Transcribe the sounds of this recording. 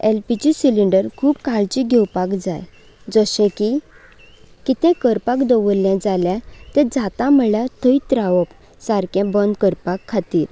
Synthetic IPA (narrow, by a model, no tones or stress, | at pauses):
elpit͡ɕisiliɳɖəɾkʰuːbkaɭt͡ɕiɡʱɛwpakd͡zaj | d͡zɔɕɛ̃ki | kit̪ɛ̃kəɾpakd̪ɔʋəlːjɛ̃d͡zaljat̪ɛ̃d͡zat̪ãm̤əɭjat̪ʰəit̪ɾaʋɔp | saɾkɛ̃bənd̪kəɾpakʰːat̪iːɾ